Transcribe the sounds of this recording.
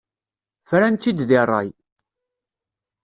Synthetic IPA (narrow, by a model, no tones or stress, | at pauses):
fɾænt̪ːid̪ðirˤːɑ̰j